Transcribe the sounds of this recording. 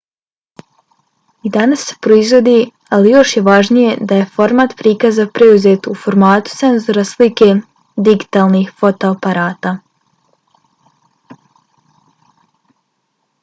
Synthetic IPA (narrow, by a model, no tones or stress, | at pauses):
id̪anasːe̞̥pɾoizʋo̞d̪iː | alijo̞ʃje̞ʋaʒnije̞d̪aje̞fo̞ɾmaːt̪pɾikazapɾeuzeːt̪ufo̞ɾmaːt̪u̥se̞nzo̞ɾaslike̞ː | d̪iɡi̥t̪aːlˠniːxfo̞t̪oapaɾaːt̪aː